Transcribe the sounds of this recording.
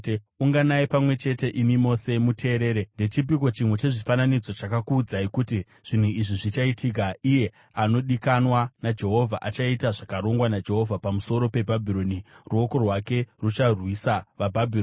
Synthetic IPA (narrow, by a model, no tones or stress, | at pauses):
uŋɡanaipamwe̞t͡ʃe̞te̞ʔimimo̞se̞mutʰe̞ːɾe̞ːɾende̞t͡ʃip̬ik̬o̞t͡ʃimwet͡ʃe̞ʐifananid͡zo̞t͡ʃakakuːd͡zaikuti | ʐ̥in̤uiʐiʐit͡ʃaitʰik̬aʔije̞ | ano̞ɗikanwanad͡ʒe̞ɦo̞vʱaʔat͡ʃaitaʐakaɾo̞ŋɡwanad͡ʒe̞ɦo̞vʱapamuso̞ɾo̞pe̞bʱabʱiɾo̞niruo̞ko̞rwake̞rut͡ʃarwisaʋabʱabʱiro